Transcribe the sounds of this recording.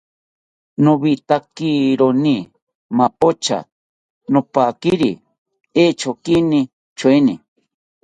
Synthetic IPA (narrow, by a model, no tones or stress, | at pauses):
noβit̪akiɾoni | mapot͡ʃa̰ | nopakiɾḭ | et͡ʃʰokini | t͡ʃʰweni